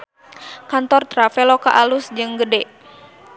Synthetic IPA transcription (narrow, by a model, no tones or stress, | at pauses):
kant̪ɔrt̪ɾafɛloka̰ʔalusd͡ʒɨŋɡədɛ